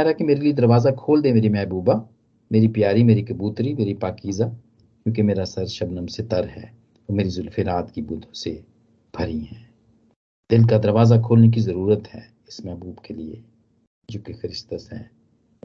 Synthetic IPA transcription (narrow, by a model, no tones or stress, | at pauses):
ɛːɾakimeːɾelied̪ɐɾʋaːzakʰoːld̪emeːɾimɛːɦbuːba | meːɾipjaːɾimeːɾikɐbuːt̪ɾimeːɾipaːkiːza | kjõːkemeːɾasɐɾʃɐbnəmset̪ɐɾɦɛ̰ː | ɔːɾmeːɾizʊlfɪɾaːt̪kibʊd̪ʱõse | b̥ʱɐɾiɦɛ̃ː | d̪ɪlkad̪ɐɾʋaːzakʰoːlnek̬izɐɾuːɾət̪ɦɛ̰ː | ɪsmɛːbuːbkeliḛ | d͡ʒoːkexɐɾɪst̪əsɦɛ̰̃ː